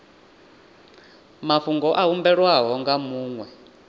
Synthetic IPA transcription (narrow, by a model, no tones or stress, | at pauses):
mafuŋɡɔʔaɦumbɛɺwaɦɔŋɡamuːŋwɛ